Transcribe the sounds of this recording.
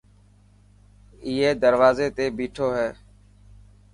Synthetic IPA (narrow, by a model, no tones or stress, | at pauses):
iːeːd̪əɾʋaːzeːt̪eːbiːʈʰoːɦɛː